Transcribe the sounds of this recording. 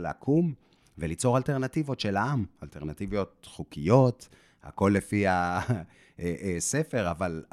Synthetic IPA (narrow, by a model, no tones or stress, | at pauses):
lea̰kʰum | velit͡so̞ʁalte̞ʁnativo̞tʃe̞laamalteʁnat̪ivijo̞t̚χukijo̞t | ha̰ko̞lːefia | sefe̞ʁaval